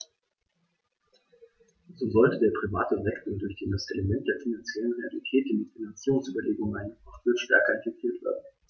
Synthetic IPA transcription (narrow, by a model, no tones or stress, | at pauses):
zoːzɔltədeːɐpʁ̥ivaːtəvɛktl̩dʊɐçd̥iːdasʔeləmɛnt̚d̥eːɐfinant͡sjɛlənʁealitʰɛːt̚d̥inmitfinant͡siːʁʊŋsʔyːbɐleːɡʊŋmaɪnəŋɔχfyɐʃtɛɐkɐɪnfɛk̚tʰiːɐtv̥ḛːɐdn̩